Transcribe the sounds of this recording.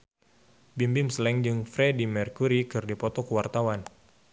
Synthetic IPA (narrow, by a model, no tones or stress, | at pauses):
bimbimslɛŋd͡ʒɨŋfɾɛdimɛrkuɾikɨrdipɔt̪ɔkəwart̪awan